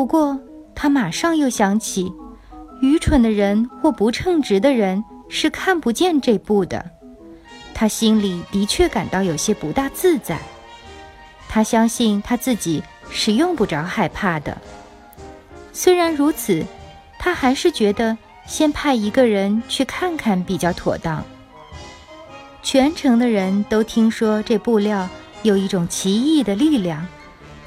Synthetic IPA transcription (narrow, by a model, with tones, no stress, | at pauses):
pu˧˥kwɔ˥˩t̪ʰa˥ma˨˩ʂɑ˥˧ŋjo˥˩ʊɕjɑ˧˥ŋt͡ɕʰi˨˩ | y˧˥ʈ͡ʂʰwə˧˥nd̪ə˧ɻə˧˥nxwɔ˥˩pu˧˥ʈ͡ʂʰɤ˥˩ŋʈ͡ʂɻ̩˧˥d̪ə˧ɻə˧˥nʂɻ̩˥˧kʰa˥˩npu˧˥t͡ɕjɛ˥˧nʈ͡ʂe˥˧ɪpu˥˩d̪ə̰˩ | t̪ʰa˥ɕi˥nli˨˩t̪i˧˥t͡ɕʰɥɛ˥˩ka˨˩nt̪ɑ˥˩ʊjo˨˩ʊɕjɛ˥pu˧˥t̪a˥˧t͡sɹ̩˥˧t͡sa̰˨˩ɪ | t̪ʰa˥ɕjɑ˥ŋɕi˥˩nt̪ʰa˥t͡sɹ̩˥˩t͡ɕi˨˩˦ | ʂɻ̩˨˩jʊ˥˧ŋpu˥˩ʈ͡ʂɑ˧˥ʊxa˥˧ɪpʰa˥˩d̪ə̰˩ | swe˥ɪɻa˧˥nɻu˧˥t͡sʰɹ̩˨˩ | t̪ʰa˥xa˧˥ɪʂɻ̩˥˩t͡ɕɥɛ˧˥d̪ə˧ | ɕjɛ˥npʰa˥˩ɪi˧˥ɡə˧ɻə˧˥nt͡ɕʰy˥˧kʰa˥˩nkʰa˥˩npi˨˩t͡ɕjɑ˥˩ʊt̪ʰwɔ̰˨˩t̪ɑ˥˩ŋ | t͡ɕʰɥɛ˧˥nʈ͡ʂʰɤ˧˥ŋd̪ə˧ɻə˧˥nt̪o˥ʊt̪ʰi˥ŋʂwɔ˥ʈ͡ʂɤ˥˧pu˥˧ljɑ˥˩ʊ | jo˨˩ʊi˥˩ʈ͡ʂʊ˨˩ŋt͡ɕʰi˧˥i˥˩d̪ə˩li˥˧ljɑ˥˩ŋ